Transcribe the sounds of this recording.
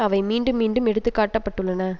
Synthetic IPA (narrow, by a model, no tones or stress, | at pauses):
ɐʋɐɪmiːɳɖɯmːiːɳɖɯmɛɽɯt̪ːɯkːaːʈːɐpːɐʈːɯlːɐnɐː